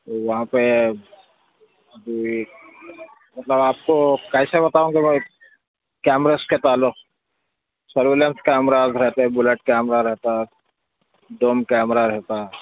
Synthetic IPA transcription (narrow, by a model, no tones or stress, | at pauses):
t̪oʋɐɦãpe | d̪ui | mɐt̪ləbaːp̚kokaisebɐt̪aũŋɡimẽ | kɛːmɾesket̪aːlːokʰ | səɾʋelenskɛːmɾazɾɛɦt̪ebʊleʈ̚kɛːmɾaɾəɦt̪a | ɖoːmkɛːmɾaɾəɦt̪a